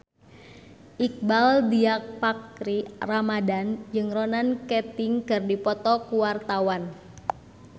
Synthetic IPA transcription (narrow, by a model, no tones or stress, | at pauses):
ʔik̚baldiak̚pakɾiramadand͡ʒɨŋɾɔnankɛt̪ɪŋkɨrdipɔt̪ɔkuwart̪awan